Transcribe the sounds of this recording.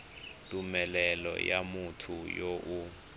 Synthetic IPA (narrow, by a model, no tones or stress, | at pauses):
tʼumɛlɛlɔ̰jamutʰujoʔu